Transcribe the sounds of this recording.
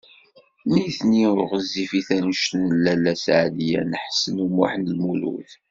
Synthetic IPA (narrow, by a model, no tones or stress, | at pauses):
niθniʊʁəzːifiθænʃtnəlːælæsʕlijæ̰nəħsənumuħnlmulṵθ